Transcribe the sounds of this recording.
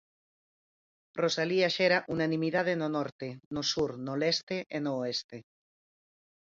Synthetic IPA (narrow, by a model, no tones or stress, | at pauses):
rosaliaʃeɾaʔunanĩmiðað̞enonɔɾt̪enosuɾnolest̪eʔenoest̪e